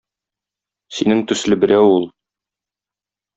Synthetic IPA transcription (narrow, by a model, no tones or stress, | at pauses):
sinɘŋt̪ɵ̆slɘbɘ̆ɾæwulˠ